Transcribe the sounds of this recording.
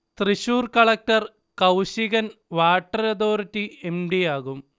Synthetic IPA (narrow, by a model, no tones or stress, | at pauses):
t̪riɕuːrkɐɭɐk̚ʈɐr | kɐwɕiɣɐnʋaːʈːɐɾɐðoːɾitːiemɖijaːɣum